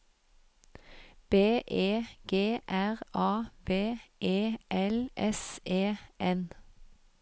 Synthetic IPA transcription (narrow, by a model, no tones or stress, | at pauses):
b̥eːʔeːɡ̥eːʔæʁɑːbeːʔeːʔɛlʔɛseːʔɛn